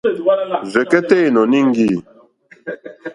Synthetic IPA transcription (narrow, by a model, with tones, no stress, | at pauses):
zɛ˨kɛ˦te˦i˨nɔ˨nĩ˦ŋ˦ɡi˦˨